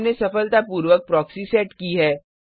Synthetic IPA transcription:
nesɐfəlt̪apuːɾʋək̚pɾɔːksisɛːʈkiɦɛː

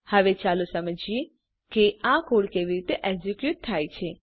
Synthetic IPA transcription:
həʋet͡ʃalusəməd͡ʒje | keãkoɽkeʋiɾit̪eʔɛɡd͡ʒekjut̪ʰːajt͡ʃʰe

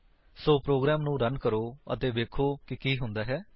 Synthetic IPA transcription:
soːpɾoːɡɾɛːmnũːɾənkəɾoːə̰t̪eːʋeːkʰoːkɪkiːɦʊ̃nd̪aːɦɛː

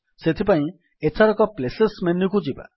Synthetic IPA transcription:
set̪ʰipaĩ | etʰaɾɔkɔplesesmenikud͡ʒiba̰

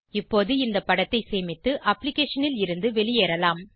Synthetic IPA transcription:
ɪpːoːðɯɪnd̪ɐpːɐɽɐt̪ːɐɪseːmɪt̪ːɯʔɐpːlɪkeːʂɐnɪlɪɾɯnd̪ɯʋɛɭɪjeːɾɐlaːm

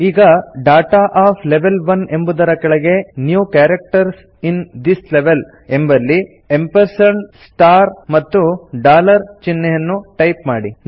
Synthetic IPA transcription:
iːɡɐɖaːʈaːʔaːpʰleʋelʋɐnembud̪ɐɾɐkɐɭɐɡe̞njuːkaːɾek̚ʈɐɾs | ind̪isleʋel | embɐlːi | empɐɾsɐnsʈaːɾmɐt̪ːuɖaːlɐɾt͡ʃinːejɐnːuʈɐjpmaːɽi

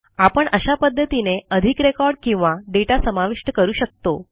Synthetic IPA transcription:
apəɳəɕapəd̪ʱːət̪ineəd̪ʱikɾekɔɾɖkĩw̃ʋaɖeʈasəmaʋiʂʈəkəɾuːɕək̚t̪o

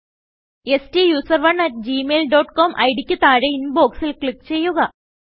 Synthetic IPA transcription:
e̞sʈijuːsɐrʋɐɳɐʈ̚d͡ʑimeːlɖo̞ːʈkoːmʔɐ̰jɽikʲːut̪ːaːɻeinbo̞ːksilkɭikːt͡ɕe̞jːuɣɐ

